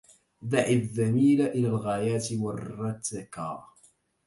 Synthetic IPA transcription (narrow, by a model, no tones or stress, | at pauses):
d̪aʕɪðːamiːlaʔɪlaːlɣajaːt̪ɪwɑrːɑt̪ːakɑ̰